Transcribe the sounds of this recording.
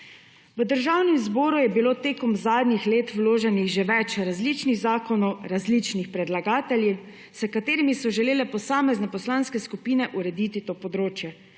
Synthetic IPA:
ʋəd̪əɾʒawnɛmzbɔːɾujɛbiloːt̪eːkɔmzaːd̪nʲixleːt̪wloːʒɛniɣʒeʋɛt͡ʃɾazlit͡ʃniɣzaːkɔnɔwɾazlit͡ʃnixpɾɛd̪laɡaːt̪ɛlji | səkat̪eːɾimisɔʒɛleːlɛpɔsaːmɛznɛpɔslaːnskɛskupiːnɛʔuɾɛd̪iːt̪it̪oːpɔd̪ɾoːt͡ʃjɛ

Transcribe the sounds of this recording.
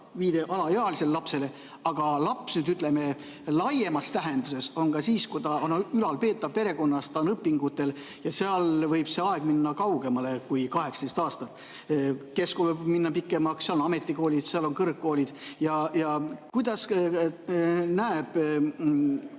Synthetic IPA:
viːd̪e̞ʔɑlɑjeɑlise̞llɑpse̞le | ɑɡ̥ɑlɑpsnyːd̪yt̪ˑle̞me̞ | lɑje̞mɑst̪æɦe̞nd̪use̞so̞nkɑsiːskujt̪ɑonylɑlpe̞ːt̪ːˑɑb̚pe̞ɾe̞ko̞nːɑst̪ɑnɤpːˑiŋɡ̥ut̪ːe̞l | jɑseɑlvɤjb̥se̞ɑe̞ɡ̥minːɑkɑwɡe̞mɑle̞kujkɑɦe̞kst̪ejst̪ɑːst̪ɑt̪ːˑ | ke̞skolvɤjbminːɑpikːˑe̞mɑkseɑlonɑme̞t̪ːˑiko̞ːlʲid̪̥seɑlo̞nkɤrkkːo̞ːlid̪̥jɑjɑkujd̪̥ɑs | næeb̥

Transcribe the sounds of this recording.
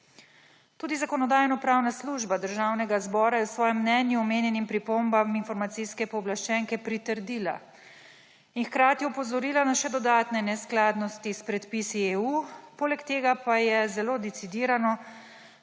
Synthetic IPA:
t̪uːd̪izakɔnɔd̪aːjnɔpɾaːwnasluʒbad̪əɾʒaːwnɛɡazbɔːɾajɛwsʋɔːjɛmːnɛnjuɔmeːnjɛnimpɾipombaminfɔɾmat̪sijskɛpɔːblaʃt͡ʃɛŋkɛpɾit̪əɾd̪iːla̰ | inxkɾaːt̪jɛupɔzɔɾiːlanaʃɛd̪ɔd̪aːt̪nɛnɛsklaːd̪nɔst̪ispɾɛt̪pisieːupoːlɛkt̪eːɡapajɛzɛloːd̪it̪sid̪iːɾanɔ

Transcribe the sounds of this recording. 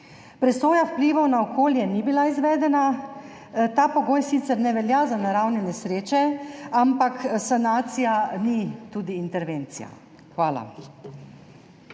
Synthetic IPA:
pɾɛsoːjawpliːʋɔwnaɔkʰoːljɛnibilaizʋɛːd̪ɛna | t̪aːpɔɡoːjsit̪sɛɾnɛʋɛljazanaɾawnjɛnɛsɾeːt͡ʃɛampaksanaːt̪sijanit̪uːd̪iːnt̪ɛɾʋeːnt̪sḭja̰ | xʋaːla̰

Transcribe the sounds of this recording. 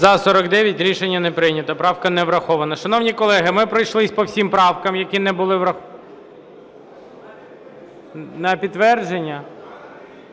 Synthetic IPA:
zɐsɔɾɐɡd̪ɛʋʲjɐtʲɾʲiʃenʲːɐnɛpɾɪnʲɐt̪ɐpɾɑwkɐnɛʋɾɐxɔʋɐnɐʃɐn̪ɔwnʲikɔlˠɛɦɪmɪpɾɔjʃlˠɪsʲpɔwsʲimpɾɑwkɐmjɐkʲinɛbʊlˠɪʋɾɐx | nɐpʲit̪ːʋɛrd͡ʒenʲːɐ

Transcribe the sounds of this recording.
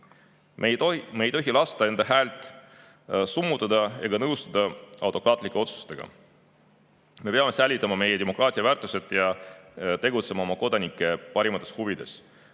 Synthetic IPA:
mmejt̪o̞ɦilɑst̪ɑe̞nd̪ɑɦæːlt̪ˑ | sumːut̪ːˑɑd̪ɑeɡ̥ɑnɤwst̪ɑd̪ɑɑ̰wt̪ːˑo̞krɑːt̪ˑlikːˑe̞o̞t̪su̥st̪e̞ɡ̥ɑ̰ | me̞peɑme̞sæjlʲːit̪ːˑɑmɑme̞je̞d̪e̞mo̞kːˑrɑːt̪ʲˑiɑvæːrt̪ːˑuse̞t̪ˑjɑ | t̪e̞ɡut̪se̞mɑo̞mɑko̞d̪̥ɑnikːˑe̞pɑɾimɑt̪ːˑe̥shuvid̪̥e̞s

